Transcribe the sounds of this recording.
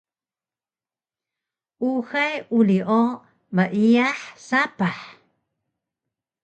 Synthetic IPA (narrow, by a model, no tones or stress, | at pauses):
ʔuxajʔuliʔo | maʔiaħsapaħ